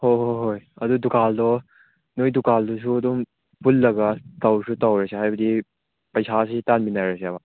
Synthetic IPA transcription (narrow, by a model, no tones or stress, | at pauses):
hojɦoɦojɐdudukaldɔ | nojdukaldɔs̬ʰuɐdɔm | pulːɐɡatawsʰutawɾaseɦajbɐd̪i | pɐjsʰas̬itanminajɾaseaba